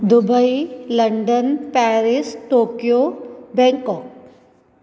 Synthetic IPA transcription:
d̪ubəilɐɳɖənpɛːɾisʈoːkijobɛ̃ŋkɔːk̚

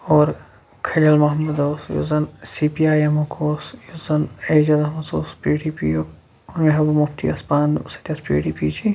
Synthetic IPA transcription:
ɔːɾ | kʰɐlɐlmɐɦɐmɐd̪oːsjṵzɐnsiːpiaːjɐmokʰoːsjuzɐneːd͡ʒɐzɐmɐt͡soːspiːɖipḭo | meɦɐbɐmupt̪ʰḭɐspaːnsɐ̥t̪ʲɐspḭːɽipiːd͡ʒi

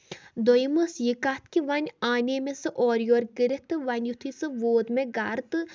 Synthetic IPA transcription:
d̪ojməsjikat̪kiʋɐnʲaːnemesɨʔɔːɾjoːɾɡɨɾɨt̪ɨʋɐnʲjut̪ʰisɨʋoːd̪meɡaɾt̪ɨ

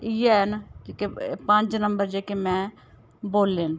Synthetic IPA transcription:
ɪjenːkepə̃ɲd͡ʒnəmbəɾd͡ʒeːkemɛ̃ː | boːlːeːn

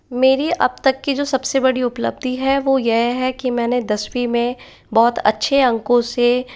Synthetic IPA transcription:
meːɾiʔɐb̚t̪ɐkːid͡ʒoːsɐbsebɐɽiʊplə̰bd̪ʱiɦɛʋojɛɦɦɛkimɛ̃ːned̪ɐswimẽ | bɔːt̪ɐ̰tːʃʰeɐ̃ŋkõse

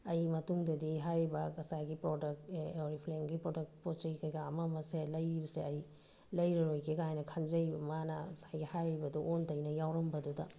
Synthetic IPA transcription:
ɐjmɐtuŋdɐdiɦajɾibɐkɐsajɡipɾodɐk̚teoɾipʰleŋɡipɾodɐk̚tpot͡ʃɐjkɐjɡaːmɐmɐselɐjɾibɐseɐj | lɐjɾɐɾojkʰeɡajnɐkʰɐnd͡ʒɐjbɐmanɐɐsajɡihajɾibɐduʔontɐjnɐjawɾɐmbɐdudɐ̰

